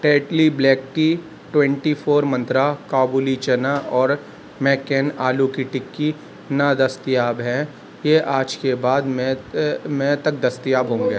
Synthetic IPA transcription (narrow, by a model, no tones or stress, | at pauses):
ʈeːʈlibleːkʈi | ʈwɛ̃ɳʈifʰoːɾmɐ̃nt̪ɾakaːbulit͡ʃɐnaʔɔːɾ | mɛːkeːnaːlukiʈɪkːi | nad̪ɐst̪ijaːbɦɛ̃ | jeʔaːd͡ʒkebaːd̪mɛ̃mɛ̃t̪ɐk̚d̪ɐst̪ijaːbɦõːŋɡeː